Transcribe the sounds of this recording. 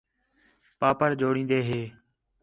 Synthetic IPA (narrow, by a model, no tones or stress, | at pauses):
paːpəɾd͡ʒoːɽĩːnd̪eːɦeː